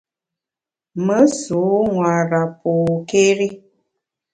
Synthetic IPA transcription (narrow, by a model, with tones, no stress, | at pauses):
mə˦su˨˦ŋwa˨ɾa˨po˨ke˦ɾi˦